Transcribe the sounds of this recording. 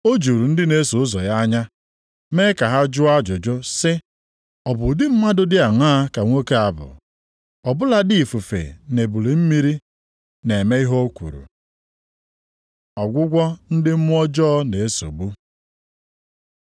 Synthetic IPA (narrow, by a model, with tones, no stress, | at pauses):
o˦d͡ʒu˨ɾu˨n̩˦dɪ˦ne˦so˨ʊ˦zɔ˨ja˦ɲa˦ | me˦ka˨ɦa˦d͡ʒʊ˦a˦d͡ʒʊ˨d͡ʒʊ˦sɪ˦ | ɔ˨bʊ˨dɪ˦m̩˦ma˦dʊ˦dɪ˦a˨ŋ˦a˦ka˨ŋʷo˦ke˦a˨bʊ̰˨ | ɔ˨bʊ˦la˦dɪ˦i˨fu˨fḛ˨ne˨bu˨li˨m̩˦mi˦ɾi˦ | ne˨me˦i˦ɦo˦kʷṵ˨ɾṵ˨ | ɔ˨ɡʷʊ˦ɡʷɔ˦n̩˦dɪ˦m̩˦mʊ˦ɔ˦d͡ʒɔ˦ne˨e˦so̰˨ɡ͡bu˦